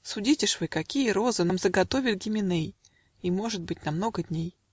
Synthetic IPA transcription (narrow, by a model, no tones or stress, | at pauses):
sʊdʲitʲɪʂvɨkɐkʲijəɾo̞zɨnamzəɡɐt̪o̞vʲɪlʲɡʲɪmʲɪnej | imo̞ʐɨt̪̚bɨtʲnɐmno̞ɡədʲnʲej